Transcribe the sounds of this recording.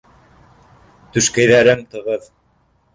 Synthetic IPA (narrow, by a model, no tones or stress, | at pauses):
t̪ɵ̆ʃkæjðæɾɘmt̪ɤ̆ʁɤð